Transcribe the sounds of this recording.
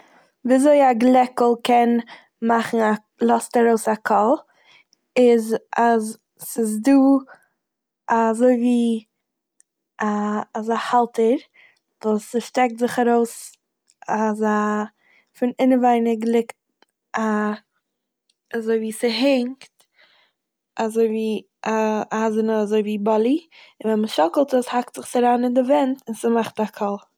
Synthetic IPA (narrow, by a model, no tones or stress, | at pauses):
viːazoɪaɡlˠɛkl̩ˠkɛn | maχn̩a | lˠɔstaɾoʊsakʰɔlˠ | ɪzaz | sɪzduː | azoɪviː | aːzahalˠtəɾ | vuːsɪʃtɛk̚tzɪχaɾoʊs | aza | fɪnɪnəvaɪnəɡəlˠɪkt̚ | a | azoɪviːsɪɦɪŋkt | azoɪviː | aazənəazoɪviːbɔlˠi | ɪnvɛnməʃɔkl̩ˠtəshak̚tz̥ɪχsaɾaːnɪndɪvɛntɪnsəmaχtakʰɔlˠ